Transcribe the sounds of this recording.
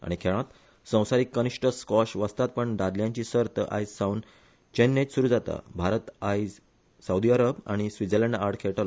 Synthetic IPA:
a̰ɽ̃ikʰeɭ̃ãt̪ | sə̃w̃saɾiːkːəniʂʈəskɔɕʋəst̪at̪̚pəɳɖ̪ad̪ljãɲt͡ɕiːsəɾt̪əʔa̰jd͡zsaun | t͡ɕenːet͡ɕsuɾuːd͡zat̪a̰bʱaɾət̪ajd͡z | sawd̪iaɾəba̰ɽ̃isʋid͡zəleɳɖaɾʈkʰeɭʈal

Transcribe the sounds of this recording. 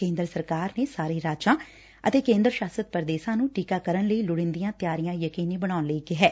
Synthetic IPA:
ẽːnd̪ɾəsəɾkaːɾneːsaːɾeːɾaːd͡ʒãː | ə̰t̪eːkẽːnd̪ɾəʃaːsət̪̚pəɾd̪eːʃãːnũːʈiːkaːkəɾənləiːlʊɽɪ̃nd̪ijãːt̪jaːɾijãːjəkiːniːbəɽ̃aːʊnləiːkɪɦɛː

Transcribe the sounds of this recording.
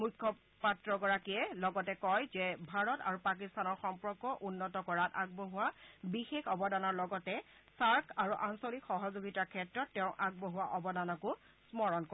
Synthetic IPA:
mujkʰːɔ | patɹɔɡɔɹakiɛlɔɡɔtɛkɔjzɛbʱaɹɔta̰ɹupak̬istʰanɔɹxɔmpɔkːɔʔunːɔtɔkɔɹata̰ɡ̚boɦʊwabixexɔbɔdanɔɹlɔɡɔtɛ | saɹkʰaɹuʔansolikxɔɦɔzoɡitakʰɛtɹɔtːeʊ̃ʔaɡ̚boɦuwaʔɔbɔdanɔkʊ | smɔɹɔnkɔ

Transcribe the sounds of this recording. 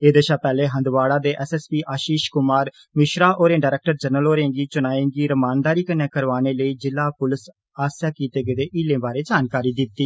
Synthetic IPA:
eːd̪eʃaːpɛːleːɦə̃nd̪ʋaːɽaːd̪eːʔɛːsɛːspiːʔaːʃiːʃkʊmaːɾ | mɪʃɾaːʔoːɾẽːɖaːɾɛːk̚ʈəɾd͡ʒənəloːɾẽːɡiːt͡ʃʊnaːẽːɡiːɾəmaːnd̪aːɾiːkənːeːkəɾʋaːneːləiːd͡ʒɪlːaːpʊlɪs | aːsjaːkiːt̪eːɡed̪eːʔiːlẽːbaːɾeːd͡ʒaːnkaːɾiːd̪ɪt̪ːiː

